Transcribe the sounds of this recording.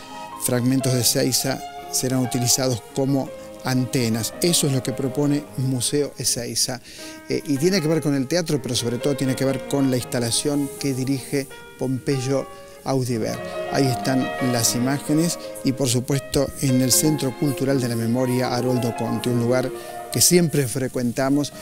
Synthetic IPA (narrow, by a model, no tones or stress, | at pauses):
fɾaɣmẽnt̪o̞zðesejsa̰seɾanut̪ilisað̞o̞sko̞mo̞ | ant̪enasesoezlo̞kepɾo̞po̞ne̞museoʔesejsa | ʔit̪jenek̬e̞βeɾko̞nelt̪eat̪ɾo̞peɾo̞so̞βɾet̪o̞ð̞o̞t̪jeneke̞βeɾko̞nlaist̪alasjo̞ŋkeðiɾixe | po̞mpeʒo̞ | awðiβḛɾa̰ie̞st̪anlasimaxenesipo̞ɾs̬upwe̞st̪oenelsent̪ɾo̞kult̪uɾald̪elame̞mo̞ɾjaʔaɾold̪okont̪iunluɣaɾ | kesje̞mpɾe̞fɾekwe̞nt̪amos